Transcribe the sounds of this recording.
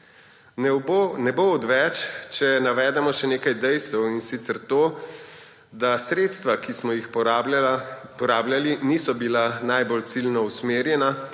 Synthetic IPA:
nɛboɔd̪ʋɛt͡ʃt͡ʃɛnaʋɛːd̪ɛmɔʃɛneːkajd̪ɛjst̪ɛwinsit̪sɛɾt̪oː | d̪asɾeːt̪st̪ʋakismɔjixp | pɔɾaːbljaliniːsɔbilanajbolt̪silnɔusmeːɾjɛna

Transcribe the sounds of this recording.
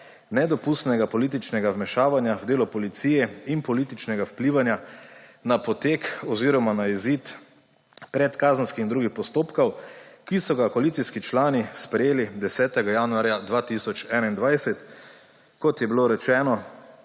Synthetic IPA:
nɛd̪ɔpust̪nɛɡapɔlit̪̬it͡ʃnɛɡawmɛʃaːʋanjawd̪eːlɔpɔlit̪siːjɛinpɔlit̪it͡ʃnɛɡawpliːʋanjanapɔt̪eːkɔziːɾɔmanaizit̪ | pɾɛt̪kaːzən̩skixind̪ɾuɡixpɔst̪oːpkɐwkisɔɡakɔalit̪siskit͡ʃlaːnispɾɛjeːlid̪ɛsɛːt̪ɛɡajaːnuaɾjad̪ʋaːt̪isɔt͡ʃɛːnaind̪ʋajsɛt̪ | kɔt̪jɛbiloɾɛt͡ʃɛːnɔ

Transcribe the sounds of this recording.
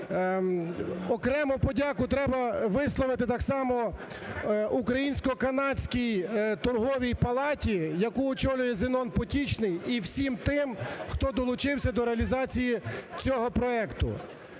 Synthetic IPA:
ɔkɾɛmʊpɔdʲɑkʊt̪ɾɛbɐʋɪslˠɔʋɪt̪ɪt̪ɑksɑmɔ | ukɾɐjinʲsʲkɔkɐnɑdʲsʲkʲijt̪ɔrɦɔʋʲijpɐlˠɑtʲijɐkuɔt͡ʃɔlʲʊjɛzɪnɔnpɔtʲit͡ʃnɪjiwsʲimt̪ɪmxt̪ɔd̪ɔlˠʊt͡ʃɪwsʲɐd̪ɔɾeɐlʲizɑt͡sʲijit͡sʲɔɦɔpɾɔɛkt̪ʊ̰

